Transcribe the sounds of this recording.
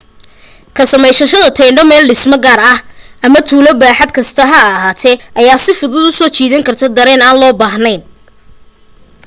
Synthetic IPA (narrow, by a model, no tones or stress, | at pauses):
kʰɐsɐmɛjʃɐʃɐðɐt̪ʰɛjɳɖɔmɛːlɖɪsmɐɡaːɾɐhɐmɐt̪ʰuːlɔbaːħɐd̪kʰɐst̪ʰɐɦɐɐɦaːt̪ʰɛʔɐjaːsɪfʊðʊd̪ʊsɔːt͡ʃʰiːðɐŋkʰɐrt̪ʰɐd̪ɐɾɛːnaːnlɔːbaːhnɛjn